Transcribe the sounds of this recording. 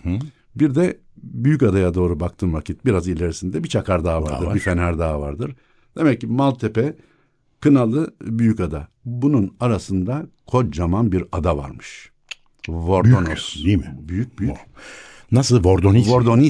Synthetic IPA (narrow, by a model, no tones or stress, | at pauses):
biɾd̪ɛ | byjycad̪ajad̪o̞ːɾubakt̪ʰɯːnvacʰit̪̚biɾazilʲeɾisind̪ɛbit͡ʃʰakaɾd̪aːava̰ɾd̪ɯɾbifenæɾd̪aːavaɾd̪ɯɾ̥ | d̪e̞mɛcːimalˠt̪ʰepɛ | kʰɯnalˠɯbyjycad̪abununaɾasɯnd̪akʰo̞t͡ʃd͡ʒamanbiɾad̪ava̰ɾmɯ̥ʃ | vo̞ɾd̪onosd̪imɪbyjyc̚byjy | nasɯlˠvoɾd̪onivoɾd̪o̞ni